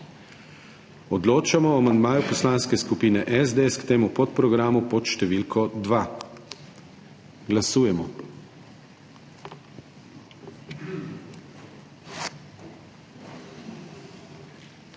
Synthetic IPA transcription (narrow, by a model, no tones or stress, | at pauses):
ɔd̪loːt͡ʃamɔamand̪maːjupɔslaːnskɛskupiːnɛʔɛzd̪eɛskt̪eːmupɔt̪pɾɔɡɾaːmupɔt̪ʃt̪ɛʋilkʰɔd̪ʋa | ɡlasuːjɛmɔ